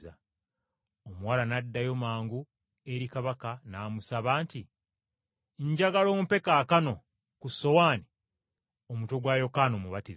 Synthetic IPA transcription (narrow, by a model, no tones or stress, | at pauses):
a̰ | omuwalanadːajo̞maːŋɡu | e̞ɾikaβakanaːmusaβaːnti | ɲɟaɡalo̞ːmupe̞kaːkano̞ | kuso̞waːni | omuto̞ɡwaːjo̞kaːnomuβatiz